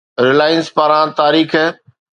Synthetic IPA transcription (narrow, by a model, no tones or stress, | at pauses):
ɾɪlaːɪnspaɾãt̪aːɾiːkʰː